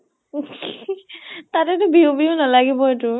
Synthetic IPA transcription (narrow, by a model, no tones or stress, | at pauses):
tatɛtʊbiwbiʊnalaɡibɔɦetʊ